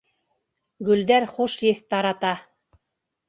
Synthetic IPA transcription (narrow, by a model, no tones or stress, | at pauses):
ɡɵ̆ld̪æɾχuʃjɘθt̪ɑɾɑt̪ɑ